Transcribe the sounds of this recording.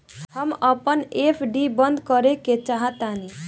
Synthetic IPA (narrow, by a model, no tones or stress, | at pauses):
həməpənepʰɖibənd̪ʱkəɾeket͡ʃaɦət̪ani